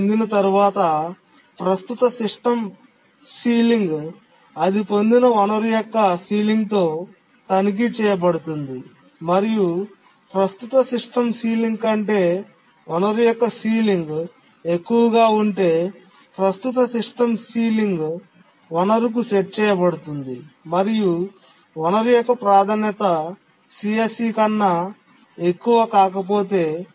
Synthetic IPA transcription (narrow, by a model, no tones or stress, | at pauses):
nd̪inɐt̪ɐɾuʋaːt̪ɐ | pɾɐst̪ut̪ɐsiʂʈɐm | siːliŋɡ | ɐd̪ipo̞nd̪inɐʋɐnɐɾujɔkːɐsiːliŋɡt̪o̞ː | t̪ɐnik̬it͡ʃɛːjɐp̬ɐɽut̪und̪i | mɐɾiju | pɾɐst̪ut̪ɐsiʂʈɐmsiːliŋɡkɐɳʈe̞ː | ʔɔnɐɾijɔkːɐsiːliŋɡ | e̞kːuʋɐɡaːuɳʈe̞ː | pɾɐst̪ut̪ɐsiʂʈɐmsiːliŋɡ | ɔnɐɾuk̬ut͡ʃeʈ̚t͡ʃɛːjɐpɐɽut̪und̪imɐɾiju | ɔnɐɾijɔkːɐpɾaːd̪ʱaːnjɐt̪ɐ | siesiːkɐnːɐ | ekːuʋɐkaːk̬ɐp̬o̞ːt̪e̞ː